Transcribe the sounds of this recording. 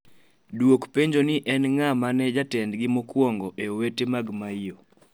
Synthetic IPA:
dwokpeɲd͡ʒoniʔɛnŋamanɛd͡ʒatɛndɡɪmokwɔŋɡɔʔeowetemaɡmaijo

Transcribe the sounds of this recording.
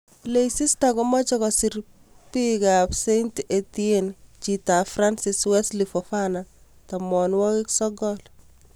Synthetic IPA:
lejsistakɔmɔt͡ʃɔkɔsir | pikapsentetient͡ʃitafɾansɪswɛslifɔfana | tamɔnwɔkɪksɔɡɔl

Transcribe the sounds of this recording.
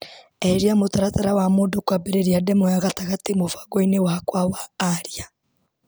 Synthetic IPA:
ɛɾiamotaɾataɾawamoːdokwabeɾeɾiadɛmojaɣataɣatemofḁɡɔinewakwawaːɾia

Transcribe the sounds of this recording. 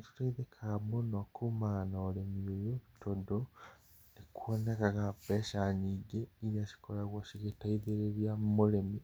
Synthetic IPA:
tu̥taiðekʰamonɔkumaɣanaːɾemiojoβitodo | nekwɔnekaɣapɛʃaniːɡeiɾiaʃi̥koɾaɣwoʃiɣetaiðeɾeɾiamoɾemi

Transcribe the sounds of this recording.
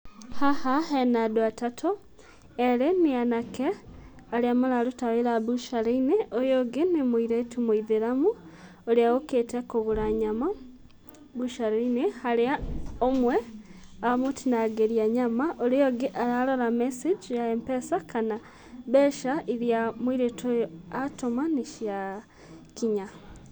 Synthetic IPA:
hahaɦenadoatatʰo | eɾeneanake | aɾeamalaɾutaβeɾaβuʃaɾeineʔojoɡenemoiɾetʰumoiðeɾamu | oɾeaɣoketekoɣuɾaɲama | βuʃaɾeinehaɾeaomweamotinaɡeɾiaɲamaʔoɾejoɡeʔaɾaloɾamesed͡ʒjaempɛsakʰana | βɛʃaʔiɾjamwiɾetojoatomaneʃja | kiɲa

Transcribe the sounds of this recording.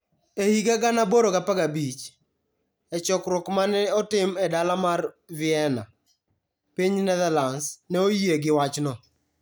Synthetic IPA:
ehiɡaɡanaboɾoɡapaɡabit͡ʃ | ɛt͡ʃɔkɾʊkmanɛɔtɪmɛdalamar | vɪɛna̰ | piɲnɛðalansnɛojieɡɪwat͡ʃnɔ

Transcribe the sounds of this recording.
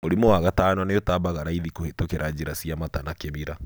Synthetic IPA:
moɾimɔwaɣatanɔneotabaɣaɾaiðikohetokeɾʔad͡ʑeɾasiamatanakeβiɾa

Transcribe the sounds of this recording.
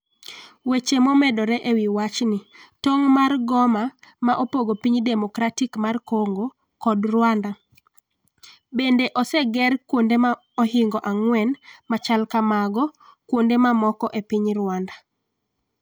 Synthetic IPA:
wet͡ʃemɔmɛdɔɾɛʔewiwat͡ʃnɪtoŋmarɡɔmamaʔopoɡopiɲdemɔkɾatikmarkoŋɡo | kɔdɾwanda | bendeʔɔsɛɡɛrkwondema | ɔɦɪŋɡɔʔaŋwɛnmat͡ʃalkamaɡɔkwondemamɔkɔʔepiɲɾwanda

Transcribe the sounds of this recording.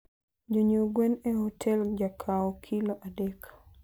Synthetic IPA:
d͡ʒoɲoɡwɛnehɔtʰɛld͡ʒakʰaɔkʰiloʔadek

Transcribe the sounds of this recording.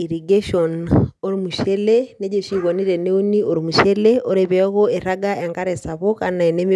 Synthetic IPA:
iɾiɡeʃɔnoɾimuʃeleneɟoʃiɣoniɾeneunioɾimuʃeleoɾeβeɔɣoeɾaɡaaŋkaɾesaβokanaenemi

